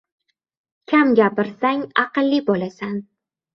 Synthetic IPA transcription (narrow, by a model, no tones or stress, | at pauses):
kʲʰamɡʲapɪɾsaŋɑqɨlːibolasan